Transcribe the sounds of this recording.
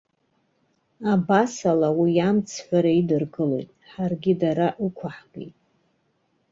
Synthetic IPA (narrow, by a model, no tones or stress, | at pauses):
abasalawijamt͡sʰħʷᶣaɾaidɨrɡɨlo̞̰jtʼħarɡʲidaɾaʔikʷʰaħɡḛjtʼ